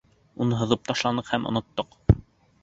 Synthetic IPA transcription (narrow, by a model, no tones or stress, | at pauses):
unɤɦŏðɤp̚t̪ɑʃlˠɑnɤqhæmʔŏ̰nŏt̪ːɤq